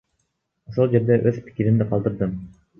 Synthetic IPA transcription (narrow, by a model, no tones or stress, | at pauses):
oʃolˠd͡ʒe̞ɾd̪e̞ʔøzpʰi̥kʲiɾind̪iqʰɑlˠd̪ɯɾd̪ɯm